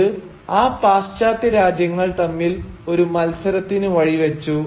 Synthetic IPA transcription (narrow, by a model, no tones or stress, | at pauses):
ɨ | aːpaːst͡ɕaːt̪ːjɐɾaːd͡ʑjɐŋːɐɭt̪ɐmːilo̞ɾumɐlsɐɾɐt̪ːinɨʋɐɻiʋet͡ɕːu